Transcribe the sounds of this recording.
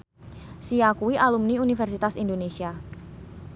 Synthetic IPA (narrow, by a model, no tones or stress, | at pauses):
siakuiʔalumniunifɛrsit̪asindonesia